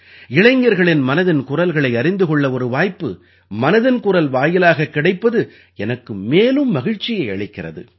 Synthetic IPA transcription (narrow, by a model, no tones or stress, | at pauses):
ɪɭɐɪŋɡɐɾɣɐɭɪnmɐnɐðɪnkʊrɐlɣɐɭɐɪɐɾɪnd̪ɯɣɔɭːɐɔɾɯʋaːjpːɯ | mɐnɐðɪnkʊrɐlʋaːjɪlaːɣɐkːɪɽɐɪpːɐðɯ | ɛnɐkːɯmːeːlɯmːɐɣɪɻt͡ʃːɪjɐɪɐ̰ɭɪkːɪrɐ̰ðɯ̰